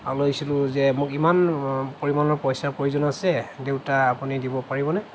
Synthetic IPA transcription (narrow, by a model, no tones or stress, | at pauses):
alojsilʊ̃zɛmʊkimanpoɹimanɔɹpɔjsapɹojuzɔnasɛdewtaːpunidibɔpaɹibɔnɛ